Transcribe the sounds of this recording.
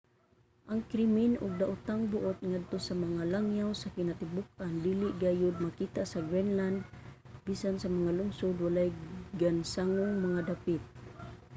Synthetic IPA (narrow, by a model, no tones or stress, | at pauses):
ʔaŋkɾimɪnʊɡ̚d̪aʔʊt̪aŋbʊʔʊt̪̚ŋad̪̚t̪osamaŋalaŋjawsakɪnat̪ɪbʊk̚and̪iːlɪʔɡajʊd̪̚makit̪aʔsaɡɾɛnland̪̚ | bisansamaŋalʊŋsʊd̪walajɡansaŋʊŋmaŋad̪apɪt̪̚